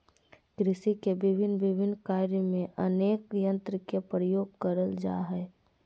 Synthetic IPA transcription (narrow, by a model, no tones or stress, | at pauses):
kɾɪsikebɪbʱɪnːʋɪbʱɪnːkaːɾjəmẽʔəneːkjə̃nt̪ɾəkepɾəjoːɡ̚kəɾəld͡ʒa̰ɦɛː